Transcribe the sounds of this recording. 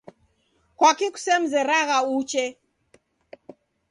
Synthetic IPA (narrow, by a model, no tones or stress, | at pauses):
kwakiku̥sɛm̩zɛɾaɣaut͡ʃɛ